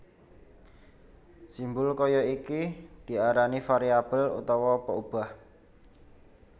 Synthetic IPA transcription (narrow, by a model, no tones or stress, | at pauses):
simbʊlkɔjɔikid̪̥i̤aɾanifaɾiab̥əlṵt̪ɔwɔpəub̥a̤h